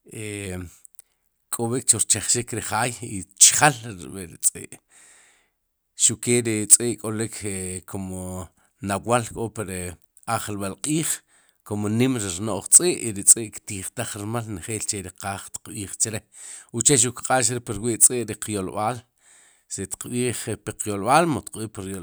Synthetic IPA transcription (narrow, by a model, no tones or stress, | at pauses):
e | kʼoɓik̚t͡ʃoɾt͡ʃaχʃikɾiχaːjit͡ʃχalɾɓiɾit͡sʼḭːʔ | ʃukeːɾit͡sʼiːʔkʼolikʰekʰomo | nawalkʼopiɾ | aχlɓalqʼiːχ | komonimɾiɾnoʔχt͡sʼiʔiɾit͡sʼiːʔkt̪iːχt̪aχɾiɾmalnχeːlt͡ʃeɾiqaːχt̪i̥qɓiːχt͡ʃɾeut͡ʃeʃ̬ukqʼaːʃɾepiɾwiʔt͡sʼiʔɾiqjolɓaːl | set̪i̥qɓiːχpiqjolɓaːlmot̪qɓiːʔpiɾjo